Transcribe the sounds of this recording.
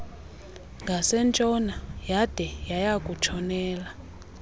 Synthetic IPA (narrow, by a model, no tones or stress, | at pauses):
ŋɡʱasɛnt͡ʃʼɔnajad̥ʱɛjajakʼut͡ʃʰɔnɛːla